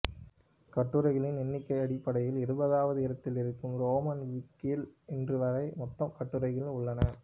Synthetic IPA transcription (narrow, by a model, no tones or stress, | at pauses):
kɐʈːɯɾɐɪɣɐɭɪnɛnːɪkːɐɪɐɽɪpːɐɽɐjɪlɪɾɯbɐðaːʋɐðɯɪɾɐt̪ːɪlɪɾɯkːɯmɾoːmɐnʋɪkːɪlɛndrɯʋɐɾɐɪmɔt̪ːɐmkɐʈːɯɾɐɪɣɐɭʊɭːɐnɐ